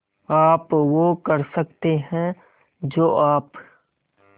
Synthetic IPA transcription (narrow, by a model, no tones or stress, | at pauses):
aːpʋokɐɾsɐkt̪eɦɛ̃ | d͡ʒoːʔaːp